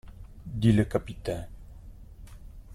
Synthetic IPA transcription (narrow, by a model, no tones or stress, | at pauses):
d̪iləkapit̪ɛ̃